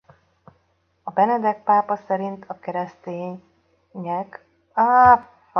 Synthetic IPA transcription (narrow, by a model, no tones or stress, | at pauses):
ɒbɛnɛd̪ɛk̚paːpɒsɛɾint̪ʰɒkɛɾɛst̪eːɲ | ɲɛk | a